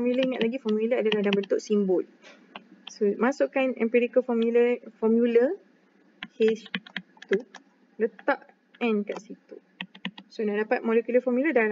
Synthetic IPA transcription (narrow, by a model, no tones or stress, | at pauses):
ɔmjuləiŋat̪̚laɡifɔmjuləadalahdabənt̪ʊʔsimbʊl | somãsoʔkanɛ̰̃mpiɾikəfɔmjuləfɔmjulə | hes | t̪u | lət̪aʔ | ɛ̃nkaʔsit̪u̥ | sonaʔdapat̪̚mɔlɛkjuləfɔmjulədala